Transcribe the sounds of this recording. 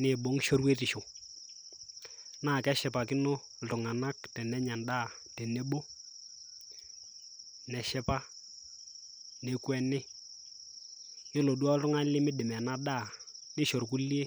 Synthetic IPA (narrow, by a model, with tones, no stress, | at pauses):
nɪ˨bo˨˦ŋ˦ʃo˦ɾwe˦tɪ˨ʃo˨ | na˦˨kɛ˦ʃɛ˨pa˨kɪ˦no˦˨ | ʊ˨ŋa˨na˦k̚tɛ˨nɛ˦ɲa˨nda˦˨ | tɛ˨ne˦ɓo˦ | nɛ˨ʃɛ˦pa˦ | ne˨kwɛ˦nɪ˦ | jɪ˦lo˨du˦a˦lʊ˦ŋa˦n˦lɪ˦mɪ˦ɗɪ˨mɛ˨na˦da˦˨nɪ˦ʃo˨rku˦li˦e˦